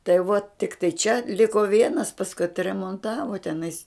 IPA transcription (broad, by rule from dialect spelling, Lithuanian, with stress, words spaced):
tɐɪ ʋuɔ tʲɪkˈtɐɪ t͡ʃʲɛ ˈlʲɪkoː ˈʋʲiɛnɐs pɐsˈkʊɪ ɐtʲrʲɛmoːnˈtɑːʋoː tʲɛˈnɐɪs